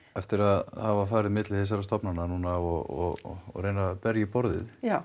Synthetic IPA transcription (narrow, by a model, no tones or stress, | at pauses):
ɛft̪ɪɾaðhavafaːɾɪðmɪt̪lɪθɛs̬aɾast̪ɔpnanːanunaɔɔ̰ɔ̰reːjnapɛɾjɪpɔɾðɪ̰ða